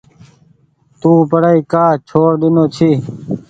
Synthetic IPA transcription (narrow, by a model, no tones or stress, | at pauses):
t̪ũːpəɽəiːkaːt͡ʃʰoːɾɗ̪ɪnoːt͡ɕʰiː